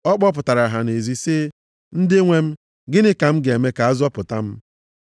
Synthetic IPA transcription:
ɔ˦k͡pɔ˦p̬ʊ˨ta˨ɾa˨ɦa˨ne˨zi˦se˦ | n̩˦dɪ˦ŋʷe˦m̩˦ | ɡɪ˦nɪ˦ka˨m̩˦ɡe˨me˦ka˨a˦zʊ˦ɔ˦pʊ˨ta˦m̩˦

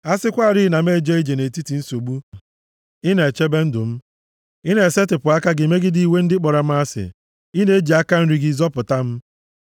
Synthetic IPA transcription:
a˦sɪ˦kʷa˦˨ɾi˦˨na˨m̩˦e˦˨d͡ʒe˦e˦d͡ʒe˨ne˨ti˦ti˨n̩˦so˨ɡ͡bu˦ | ɪ˦ne˨e˨t͡ʃe˦be˦n̩˦dʊ˨m̩˦ | ɪ˦ne˨e˨se˦tɪ˨pʊ˨a˦ka˦ɡɪ˨me˦ɡɪ˦di˨i˨we˦n̩˦dɪ˦k͡pɔ˨ɾa˨m̩˦a˦sɪ̰˨ | ɪ˦ne˦e˦d͡ʒi˨a˦ka˦n̩˦ɾi˦ɡi˦zɔ˦pʊ˨ta˦m̩˦

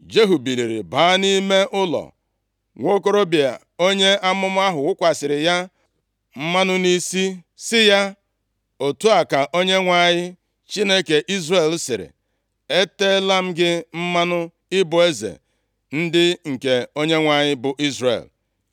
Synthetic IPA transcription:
d͡ʒe˦ɦu˨bi˨li˨ɾḭ˨baː˨˦ni˦me˦ʔʊ˦lɔ̰˨ | ŋʷo˦ko˦ɾo˦bi˨a̰˨ | o˦ɲe˦a˦mʊ˦m˦a˦ɦʊ˨ʊ˦kʷa˨sɪ˨ɾɪ˨ja˦ | m̩˦ma˦nʊ˦ni˦si˦ | sɪ˦ja˦ | o˨tu˦a˨ka˨ʔo˦ɲe˦ŋʷa˨ɲɪ˦ | t͡ʃi˦ne˦ke˨ʔi˦zre˨lsɪ˨ɾɪ̰˨ | e˦te˦la˦m̩˦ɡɪ˦m̩˦ma˦nʊ˦ | ɪ˦bʊ˨e˦zḛ˨ | n̩˦dɪ˦ŋ̩˨ke˨o˦ɲe˦ŋʷa˨ɲɪ˦bʊ˨ʔi˦zrḛ˨l

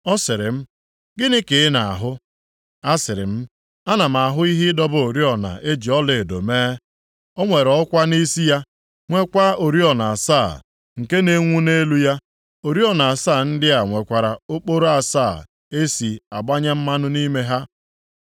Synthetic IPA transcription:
ɔ˦sɪ˨ɾɪ̰˨m̩˦ | ɡɪ˦nɪ˦kɪ˨˦na˨a̰˨ɦʊ˦ | a˦sɪ˨ɾɪ̰˨m̩˦ | a˦na˨m̩˨a˨ɦʊ˦i˦ɦɪ˦dɔ˦bʊ˦o˨ɾi˦ɔ˨na̰˨ʔe˦d͡ʒi˨ɔ˦le˨do̰˨meː˦ | ɔ˦ŋʷe˨ɾɔ˨ʊ˦kʷa˦ni˦si˦ja˦ | ŋʷe˦kʷa˦o˨ɾi˦ɔ˨na˨a˨sa˦˨ | ŋ̩˨ke˦ne˦ŋʷu˦ne˦lu˦ja˦ | o˨ɾi˦ɔ˨na˨a˨saː˦˨n̩˦dɪ˦a˨ŋʷe˨kʷa˨ɾa˨o˦k͡po˦ɾo˦a˨saː˦˨ | e˦si˨a̰˨ɡ͡ba˦ɲa˦m̩˦ma˦nʊ˦ni˦me˦ɦa˦

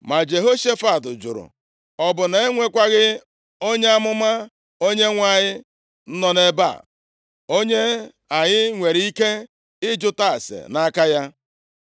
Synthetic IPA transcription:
ma˨d͡ʒe˨ɦo˦ʃe˦fa˦˨tʊ˨d͡ʒʊ̰˨ɾʊ̰˨ | ɔ˨bʊ˨ne˨e˦ŋʷe˦kʷa˦ɣɪ˦ | o˦ɲe˦a˦mʊ˦ma˦ | o˦ɲe˦ŋʷa˦˨ɲɪ˦ | n̩˦nɔ˨ne˦ba̰˦˨ | o˦ɲe˦ | a˨ɲɪ˦ŋʷe˨ɾi˦ke˦ | ɪ˦d͡ʒʊ˦ta˦˨a˨sḛ˨na˦ka˦ja˦

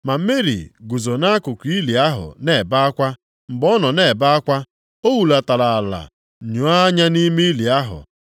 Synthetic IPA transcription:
ma˨m̩˦me˦ɾḭ˨ɡu˨zo˨na˦a˦kʊ˨kʷi˦li˨a˦ɦʊ̰˨ne˨ba˦a˦kʷa˦ | m̩˨bɔ˦nɔ˨ne˨ba˦a˦kʷa˦ | o˦wu˨la˨ta˨la˨a˨la̰˨ | ɲu˨˦a˦ɲa˦ni˦me˦li˨a˦ɦʊ̰˨

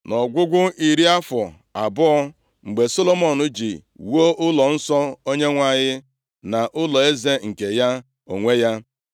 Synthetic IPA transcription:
nɔ˨ɡʷʊ˦ɡʷʊ˦i˨ɾi˦a˦fɔ˨ | a˨bʊ˦ɔ˦ | ŋ͡m̩˨ɡ͡be˨so˦lo˦mɔ˨nʊ˦d͡ʒi˨wo˦ʔʊ˦lɔ˨n̩˦sɔ˦o˦ɲe˦ŋʷa˦ɲɪ˦ | na˨ʔʊ˦lɔ˨e˦ze˦ŋ̩˨ke˨ja˦ | o̰˨ŋʷe˦ja˦

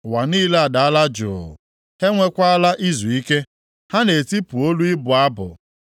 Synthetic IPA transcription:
wa˨niː˦le˦a˨da˨a˦la˦d͡ʒʊ̰˨ | he˦ŋʷe˦kʷa˦a˦la˦ʔi˦zu˨i˦ke˦ | ha˦ne˨ti˦pu˨o˦lu˦ɪ˦bʊ˨a˦bʊ̰˨

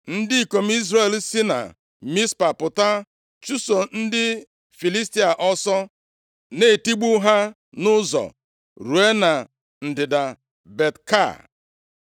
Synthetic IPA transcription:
n̩˦dɪ˦i˨ko˨m̩˦i˦zɾe˦˨e˨lsi˦na̰˨ | mi˦spa˨pʊ˨ta˦ | t͡ʃu˦so˨n̩˦dɪ˦ | fi˨li˦sti˦a˨ʔɔ˦sɔ˦ | ne˨ti˦ɡ͡bu˦ɦa˦ | nʊ˦zɔ̰˨ | ɾu˨e˦na˨ | n̩˨dɪ˨da˨ | be˨tka̰˦˨

